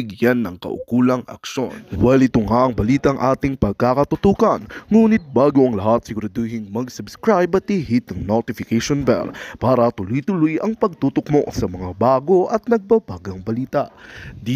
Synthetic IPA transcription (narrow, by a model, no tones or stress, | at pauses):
ɪɡjanːɐŋkɐ̰ʔʊ̰kuːlɐŋɐ̰kʃo̞̰nwɛlɪt̪ʊŋaʔɐŋbɐliːt̪ɐŋʔaːt̪ɪŋpɐɡ̚kakɐt̪ʊt̪uːkɐnŋuːnɪt̪̚baːɡo̞ʔɐŋlɐɦat̪̚sɪkɾod̪uɦɪŋmɐɡsʊbskɹajbɐt̪ihit̪ɐŋnot̪ɪfɪkɛʃonbɛ̰lpaːɾɐt̪ʊlʊjt̪ʊlʊjʔɐŋpɐɡ̚t̪uːt̪ok̚mo̞sɐmɐŋabaːɡo̞ʔɐt̪̚nɐɡ̚bɐbaːɡɐŋbɐliːt̪ɐʔd̪i